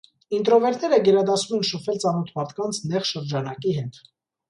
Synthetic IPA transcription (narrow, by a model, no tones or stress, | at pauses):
int̪ɾɔvɛɾt̪ʰnɛɾəɡɛɾɑd̪ɑsumɛnʃəfɛlt͡sɑnɔt̪ʰmɑɾt̪ʰkɑnt͡sʰnɛχʃəɾd͡ʒɑnɑkiɦɛt̪